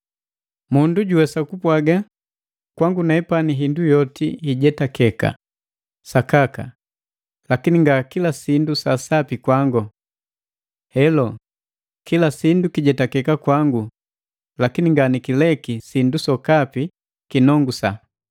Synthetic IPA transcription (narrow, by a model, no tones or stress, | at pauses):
munduɟuwɛsakupwaɡa | kwaŋɡunaɛpaniɦindujɔtihiɟɛtakɛka̰ | sakaka̰ | lakiniŋɡakilasindusasapikwaŋɡɔ | hɛlɔ | kilasindukiɟɛtakɛkakwaŋɡu | lakiniŋɡanikilɛkisindusɔkapi | kinɔŋɡusa